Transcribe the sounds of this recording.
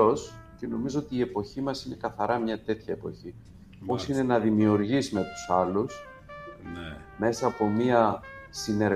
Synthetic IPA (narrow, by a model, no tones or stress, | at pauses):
o̞sce̞no̞mizo̞ot̪iːe̞po̞çimɐsine̞kɐθɐɾɐmɲɐt̪e̞t̪çɐepo̞çi | o̞sine̞nɐðimiuɾʝizme̞t̪u̥sɐlus | me̞sɐːpo̞miɐsine̞ɾ